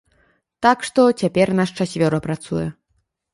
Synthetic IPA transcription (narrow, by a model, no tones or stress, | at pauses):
t̪akʂt̪ɔt͡sʲapʲɛrnaʂt͡ʂasʲvʲɔɾɔpɾat̪sujɛ